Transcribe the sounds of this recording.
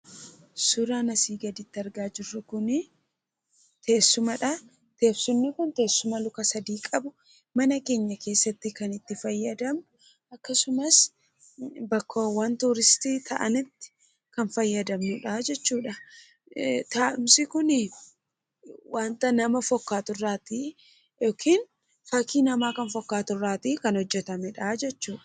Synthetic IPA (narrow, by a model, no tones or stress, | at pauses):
sʊɾaːnɐsiːɡɐd̪ɪt̪ːɪɐɾɡaːd͡ʒɪrːʊkʊnɪ | t̪e̞ːsːʊmɐᶑɐ | t̪e̞ːbsʊnːɪkʊnt̪e̞ːsːʊmɐlʊkɐsɐd̪iːkʼɐbʊ | mɐnɐke̞ːɲːɐke̞ːsːɐt̪ːɪkɐnɪt̪ːɪfɐjːɐd̪ɐmnʊ | ɐkːɐsʊmɐs | bɐkʰːowɐnt̪uːɾɪst̪iːt̪ʰɐʔɐnɪt̪ːɪ̥ | kɐnfɐjːɐd̪ɐmnʊᶑaːd͡ʒɛt͡ʃːuːᶑɐ | t̪aːʔɪmsɪkʊnɪ | waːnt̪ɐnɐmɐfɔkːaːt̪ʊrːaːt̪i | joːkʰiːn | faːkiːnɐmaːkɐnfɔkːaːt̪ʊrːaːt̪ikɐnhɔd͡ʒːɛt̪ɐmɛᶑaːd͡ʒɛt͡ʃːuːᶑɐ̥